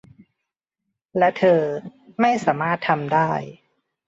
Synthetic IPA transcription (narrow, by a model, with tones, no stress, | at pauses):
lɛ˦˥t̪ʰɤː˧ma˥˩jsaː˩˦maː˥˩t̪ʰːa˧mdaː˥˩j